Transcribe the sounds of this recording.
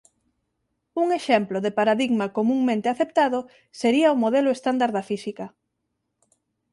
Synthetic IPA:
uŋeʃɛmploðepaɾaðiɣmakomũŋmẽnt̪eaθept̪aðʊ | seɾiɐomoðelʊest̪and̪aɾðɐfisikɐ

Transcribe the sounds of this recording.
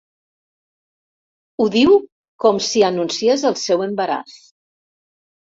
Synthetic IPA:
uðiw | kɔmsiənunsiezəlˠsɛwəmbəɾa̰θ

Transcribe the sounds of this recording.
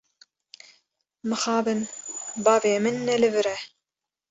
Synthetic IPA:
mɨxɑːbɨnbɑːveːmɨnːɛlɨvɨɾɛ

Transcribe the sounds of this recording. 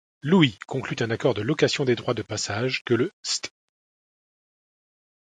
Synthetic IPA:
luikɔ̃klyt̪ɛ̃nakɔʁd̪əlɔkasjɔ̃d̪ed̪ʁwad̪əpasaʒkələst̪

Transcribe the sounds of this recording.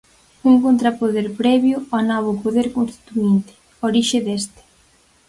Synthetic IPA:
uŋkont̪ɾapoðeɾpɾɛβjʊɔnɔβ̞ʊpoðeɾkonst̪i̥t̪uint̪ɪ̥ | oɾiʃɪðest̪e̥

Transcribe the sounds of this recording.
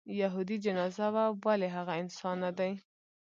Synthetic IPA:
jaɦud̪id͡ʒanɑzawawaleɦaɣaɪnsɑnːad̪aj

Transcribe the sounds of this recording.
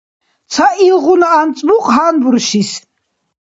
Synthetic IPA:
t̪sʰaʔilʁunaːnt͡sʼmuqʼɦanbuɾʃis

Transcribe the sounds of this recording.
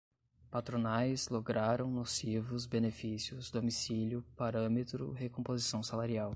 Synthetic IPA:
pat̪ɾonajzloɡɾaɾɐ̃w̃nosivʊzbenefisiʊzd̪omisiljʊpaɾɐ̃met̪ɾʊ̰hekõpozisɐ̃w̃salaɾiaw

